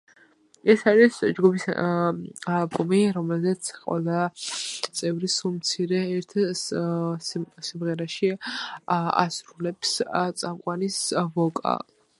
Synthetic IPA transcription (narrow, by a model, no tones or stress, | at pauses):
ɛsaɾisd͡ʒɡubis | alˠbʼumiɾɔmɛlzɛt̪sʰqʼwɛ̰lˠa | t̪sʼɛvɾisumt̪sʰiɾɛːɾt̪ʰ | simʁɛɾaʃi | a̰sɾulɛpst̪sʼamqʼwanisvɔkʼa̰